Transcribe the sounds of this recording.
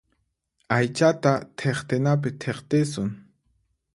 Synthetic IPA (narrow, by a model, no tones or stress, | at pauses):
ajt͡ʃat̪at̪ʰeχt̪ɪnap̬ɪt̪ʰeχt̪ɪsʊŋ